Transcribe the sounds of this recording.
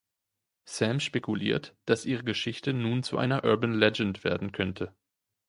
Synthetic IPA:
sɛmʃpekʰulḭːɐtd̥asʔiːʁ̞əɡəʃɪçtənuːnt͡suʔa̰ɪnɐʔœɐbənlɛd͡ʒɛntv̥eːɐdn̩kʰœntʰə

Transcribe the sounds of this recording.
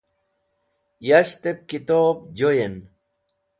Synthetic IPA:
jaɕt̪ep̚kit̪oːp̚d͡ʑojen

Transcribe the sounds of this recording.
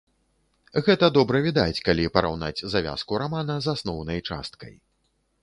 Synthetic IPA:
ɣɛt̪ɐd̪ɔbɾɐvʲid̪at͡sʲkalʲipɐɾawna̰d͡zʲzavʲa̰skuɾamanɐzasnɔwnɐjt͡ʂa̰st̪kɐ̰j

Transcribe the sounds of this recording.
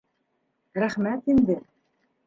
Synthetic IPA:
ɾæχmæt̪ind̪ɘ

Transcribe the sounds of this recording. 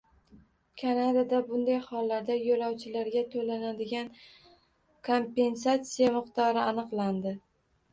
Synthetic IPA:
kʰanad̪ad̪abʊnd̪ajhɒlːaɾd̪ajolɒwt͡ʃʰɪlaɾɡʲat̪ʰolanad̪ɪɡʲan | kʰo̞mpe̞ns̬at̪sijamɨqt̪ɒɾɪanɨqlˠand̪ɪ

